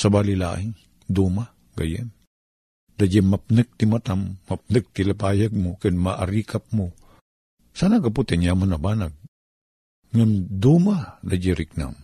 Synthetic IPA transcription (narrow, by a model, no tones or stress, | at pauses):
sabalila̰ʔɪŋ | d̪uma | ɡa̰jan | d̪ad͡ʒamap̚nɨk̚t̪ɪmat̪amːap̚nɨk̚t̪ɪlapaːjaɡ̚mokɛd̪maʔa̰ɾikap̚mo | saːnaɡaput̪ɛnjamanɐbaːnaɡ̚ | ŋand̪umanad͡ʒaɾɪk̚na̰m